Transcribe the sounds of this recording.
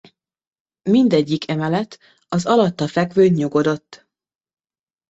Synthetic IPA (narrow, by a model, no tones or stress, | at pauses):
mind̪ɛɟːikʰɛmɛlɛt̪ | ɒzɒlɒt̪ːɒfɛɡvøːɲːɲuɡo̞d̪o̞t̪ː